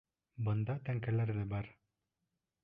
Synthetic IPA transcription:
bɤ̆nd̪ɑt̪æŋkælæɾðɘbɑɾ

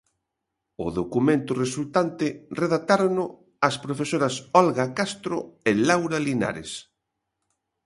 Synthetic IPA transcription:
ʊ̰ðokumẽnt̪ʊresult̪ant̪ɪreðat̪aɾonʊ | ɐspɾofesoɾɐsɔlɣakast̪ɾʊelawɾalina̰ɾḛs

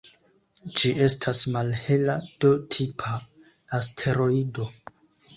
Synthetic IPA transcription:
d͡ʒiʔe̞stʰasmalhe̞lad̥o̞tʰipʰaː | stʰe̞ɾo̞ido̞

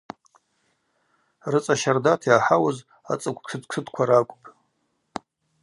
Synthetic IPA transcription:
rɨt͡sʼaʃardatʰjaħawaz | a̰t͡sʼakʷʰʼkʰɨtkʷʰɨdʼkʷʰaɾakʷʼpʼ

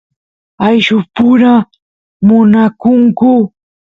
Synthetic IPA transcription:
ajʃʊpʊɾa | mʊnakʊŋkʊ

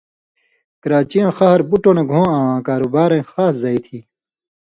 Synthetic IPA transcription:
kɐɾaːt͡ɕijãːxɐɦɐɾbuʈoːneɡʱõːãːãːkaːɾubaːɾẽːxaːszaːit̪ʰiː

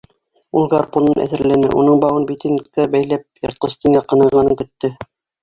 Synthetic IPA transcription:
ulˠɡarponɤnæ̰ðɘ̆ɾlænɘ̰ʔunɤɴbɑwɤnbit̪ɘnkæbæjlæp̚jɑ̰̆ɾt̪ˠɤst̪iŋɡæqɤ̆nɤ̆ɾʁɑnɤŋkɵ̆t̪ːɘ

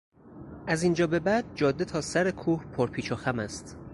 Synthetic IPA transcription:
ʔæzind͡ʒɒːbe̞bæd̪̥̚d͡ʒɒːd̪ːet̪ʰɒːsæɾekʰuːhpʰoɾpʰiːt͡ʃʰoxæmæst̪

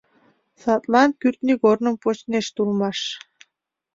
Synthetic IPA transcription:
sɑt̪lˠɑnkyrt̪niɡornɤ̆mpot͡ɕneʃt̪ulˠmɑʃ

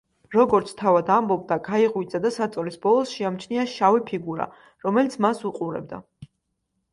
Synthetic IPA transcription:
ɾɔɡɔɾt̪sʰt̪ʰavad̪ambɔb̚d̪aɡaiʁwid̪zad̪asat̪sʼɔlisbɔlˠɔsʃiamt͡ʃʰniaʃavipʰiɡuɾa̰ | ɾɔmɛlit̪sʰmasuqʼuɾɛ̰b̚d̪a̰

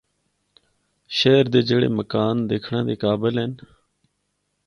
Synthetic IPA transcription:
ʃeːɾd̪eːd͡ʒeːɽḛːməkaːnd̪eːkʰɳãːd̪eːkaːbəlɦeːn

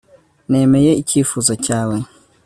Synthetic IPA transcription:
ne̞ːme̞je̞iciːfuzocaːwe̞

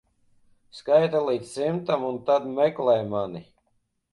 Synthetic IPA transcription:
skajt̪alˠit̪ssimt̪amunt̪ad̪mɛklˠɛjmani

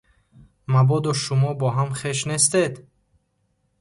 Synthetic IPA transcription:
mabɔd̪ɔʃumɔbɔɦamχeʃnest̪ed̪

